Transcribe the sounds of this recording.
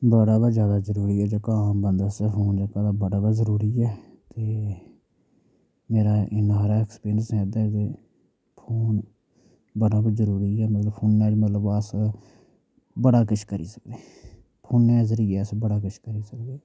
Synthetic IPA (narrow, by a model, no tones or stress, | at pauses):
bəɽaːbəd͡ʒjaːd̪aːzəɾuːɾiːɛːd͡ʒəːkaãːmbənd̪əspʰoːnd͡ʒəːkaːd̪aːbəɽaːbəzəɾuːɾiːɛːt̪eː | meːɾaːʔɪnaːɾaːɛkspeːɾsɛ̃ːd̪aːt̪eː | pʰoːn | bəɽaːbəzəɾuːɾiːɛːmət̪ləbpʰoːnːɛːd͡ʒmət̪ləbəs | bəɽaːkət͡ʃʰkəɾḭːsəkd̪eː | pʰoːnːɛ̃ːzəɾiːɛːəsbəɽaːkət͡ʃʰkəɾiːsəkd̪eː